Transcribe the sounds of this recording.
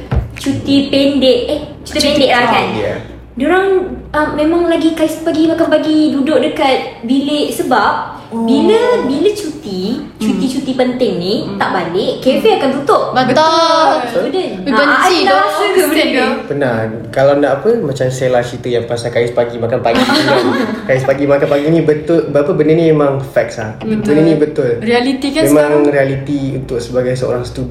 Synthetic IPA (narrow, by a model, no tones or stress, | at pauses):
t͡ʃut̪ipɛndɪʔet͡ʃu̥t̪ipɛndɪʔlakanja̰ | doɾaŋəmmẽmãŋlaɡikaɪspaɡimakanpaɡidudʊʔ̚dəkat̪̚bileʔsəbap̚ | biləbilət͡ʃut̪i | t͡ʃut̪it͡ʃut̪ipənt̪ɪŋnit̪aʔbanɪʔkeveakant̪ut̪ʊʔbət̪osbədəbənilabəd̪pəna | kalawnaʔapəmat͡ʃamselat͡ʃit̪əjaŋpasakajɪspaɡimakanpaɡi | kajɪspaɡimakanpaɡinĩbət̪ʊlbəapəbənənĩmemãŋfɛk̚sla | bət̪uninĩbət̪ʊlrialit̪ikamemãŋrialit̪iunt̪ʊk̚səbaɡajsəo̰ɾaŋsə̥t̪ub